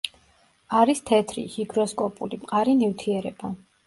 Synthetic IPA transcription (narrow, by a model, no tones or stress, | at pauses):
aɾist̪ʰɛt̪ʰɾḭhiɡɾɔskʼɔpʼulimqʼaɾinivt̪ʰiɛɾɛb̥a